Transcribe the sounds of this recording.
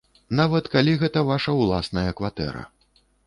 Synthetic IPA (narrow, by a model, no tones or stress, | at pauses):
navɐt̪kalʲiɣɛt̪ɐvaʂɐwlˠasnɐjɐkvat̪ɛ̰ɾɐ̰